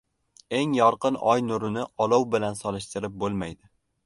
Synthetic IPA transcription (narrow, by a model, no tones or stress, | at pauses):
e̞ŋjɒɾqɨnɒjnʊɾʊnɪʔɒlˠɒwbɪlansɒlɪʃt̪ɪɾɪp̚bolˠmajd̪ɪ